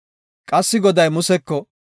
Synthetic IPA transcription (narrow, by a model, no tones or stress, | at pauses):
kʼɐsːɪɡɔd̪ɐjmʊsɛkːɔ